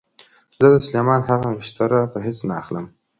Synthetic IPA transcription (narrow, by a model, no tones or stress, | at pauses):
zəd̪əslemɑnhaɣawɪʃt̪ʰaɾapəɦet͡snaːxləm